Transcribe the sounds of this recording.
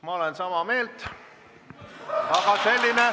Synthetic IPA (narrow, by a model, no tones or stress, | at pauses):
mɑolensɑmɑme̞ːlt̪ | ɑɡɑse̞lʲːine